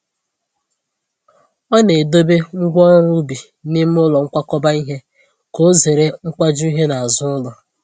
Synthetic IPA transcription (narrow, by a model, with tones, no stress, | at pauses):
ɔ˦ne˨do˦be˦ŋ̩˦ɡʷɔ˦ɾu˦bi˨ | ni˦m˦ʊ˦lɔ˨ŋ̩˦kʷa˦kɔ˦ba˦i˦ɦe˦ | ko˦ze˨ɾe˦ŋ̩˦kʷa˦d͡ʒʊ˦i˦ɦe˦na˨a˨zʊ˦ʊ˦lɔ˨